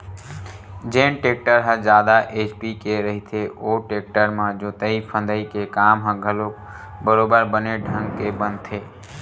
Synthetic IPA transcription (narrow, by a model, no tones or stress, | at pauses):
d͡ʒeːnʈek̚ʈəɾɦəd͡ʒaːd̪aʔet͡ʃpikeɾəɦit̪ʰeoʈek̚ʈəɾmãd͡ʒoːt̪əipʰə̃nd̪əikekaːmɦə̃ɡʱəlok | bəɾobəɾbəneɖʱə̃ŋɡkebənt̪ʰe